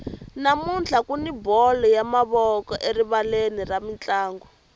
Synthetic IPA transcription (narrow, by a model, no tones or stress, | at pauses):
namunt͡ɬʰakunibɔlɔjamaβɔkɔʔeɾiβaleniramint͡ɬaːŋɡɔ